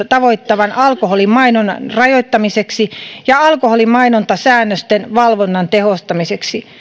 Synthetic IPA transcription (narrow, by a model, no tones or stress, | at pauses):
t̪ɑʋoit̪ːɑʋɑnʔɑlkoholimɑinonɑnrɑjoit̪ːɑmiseksijɑɑlkoholimɑinont̪ɑsæːnːøst̪enʋɑlʋonːɑnt̪ehost̪ɑmiseksi